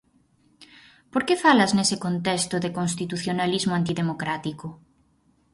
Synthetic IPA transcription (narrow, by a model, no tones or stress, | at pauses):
poɾkefalaznesɪkont̪ɛst̪ʊðekons̬t̪it̪uθjonalizmoant̪iðemokɾat̪ikʊ